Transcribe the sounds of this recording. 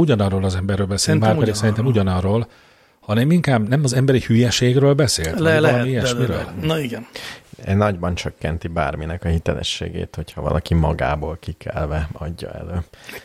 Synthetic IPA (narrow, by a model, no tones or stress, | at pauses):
uɟɒnɒrːoːlɒzɛmbɛrːøːlbɛseːnmaːrɛd̪iksɛɾint̪ɛmuɟɒnɒrːoːl | hɒnɛmiŋkaːbnɛmɒzɛmbɛɾihyjɛʃeːɡrøːlbɛsḛːlt̪lɛlɛlɒmiɛʃmiɾø̰ːlniɡɛnɛnɒɟbɒnt͡ʃøkːɛnt̪iba̰ːrminɛkɒhit̪ɛlɛ̰ʃːḛːɡḛːt̪ho̞cʰhɒvɒ̰lʔɒkimɒɡa̰ːboːlkikʰɛlvɛɒɟːɒ̰ɛ̰løː